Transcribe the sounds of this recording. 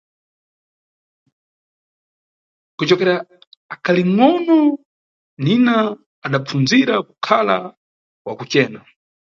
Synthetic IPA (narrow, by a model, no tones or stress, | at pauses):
kut͡ʃɔkɛɾaː | kʰaliŋɔnɔ | ninaː | ɗap͡fund͡ziɾaku̥kʰala | kwakut͡ʃɛːna